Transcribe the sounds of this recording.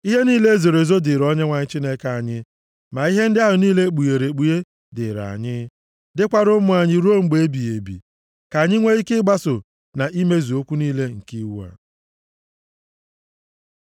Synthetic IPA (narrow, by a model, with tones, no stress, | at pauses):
i˦ɦe˦niː˦le˦ze˨ɾe˨zo˦dɪ˨ɾɔ˦ɲe˦ŋʷa˨ɲɪ˦t͡ʃi˦ne˦ka˨ɲɪ˦ | ma˨i˦ɦe˦n̩˦dɪ˦a˦ɦʊ˨niː˦le˦k͡pu˨je˨ɾe˨k͡pu˨je˦ | dɪ̰˨ɾa̰˨ɲɪ˦ | dɪ˦kʷa˦ɾʊ˦mʊ˨a˨ɲɪ˦ɾu˦o˦ŋ͡m̩˦ɡ͡be˨˦bi˨e˨bḭ˨ | ka˨ɲɪ˦ŋʷe˦i˦kɪ˦ɡ͡ba˦sʊ˨ | na˨ʔi˦me˦zi˨o˦kʷu˦niː˦le˦ŋ̩˨ki˦wu˦a̰˨